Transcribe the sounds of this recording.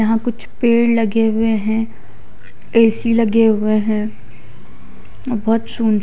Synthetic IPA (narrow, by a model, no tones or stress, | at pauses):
ɐɦãkʊt͡ʃʰpeːɽlɐɡeɦʊeɦɛ̃ː | eːsilɐɡeɦʊeɦɛ̃ː | bɔːt̪suːn